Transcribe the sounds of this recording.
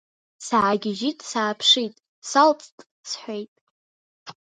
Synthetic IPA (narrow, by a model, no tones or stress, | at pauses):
saːɡʲɪʒitʼsaːpʰʂitʼ | salt͡sʼtʼ | sħʷejtʼ